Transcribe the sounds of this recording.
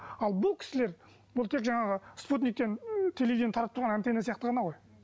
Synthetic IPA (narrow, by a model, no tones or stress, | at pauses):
ɑlˠbʊlˠkʲʰɪ̥sɪle̞ɾ | bʊlˠt̪ʰe̞kʒɑɴɑʁəsput̪̬nik̚t̪ent̪ʰe̞levid̪int̪ʰɑɾɑp̚t̪ʊɾʁɑnænt̪enesijɑqt̪əʁɑnɑʁo̞j